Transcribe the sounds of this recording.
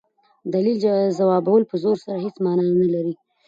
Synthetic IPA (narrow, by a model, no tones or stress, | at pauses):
d̪alilzawɑbawəlpəzoɾsaɾaɦet͡smɑnɑnalaɾi